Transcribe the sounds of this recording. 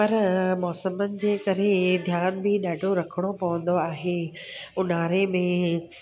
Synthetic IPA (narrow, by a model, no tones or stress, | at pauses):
pɐɾmɔːsəmənɪ̆d͡ʑeːkɐɾed̪ʱjaːnbɪɗaːɖʱoɾɐkʰəɽ̃opɐʋə̃nd̪oaːɦeː | ʊnaːɾemẽ